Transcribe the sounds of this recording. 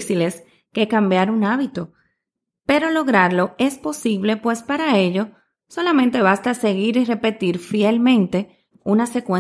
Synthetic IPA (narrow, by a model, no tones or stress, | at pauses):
sile̞s | ke̞kambjaɾunaβit̪o̞ | pe̞ɾo̞lo̞ɣɾaɾlo̞e̞spo̞siβ̞le̞pwe̞spaɾae̞ʎo̞ | so̞lamẽnt̪e̞βast̪ase̞ɣiɾire̞pe̞t̪iɾfielmẽ̞nt̪e̞ | unase̞kwẽ